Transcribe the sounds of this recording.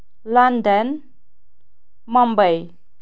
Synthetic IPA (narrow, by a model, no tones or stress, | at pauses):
landən | mɔmbəj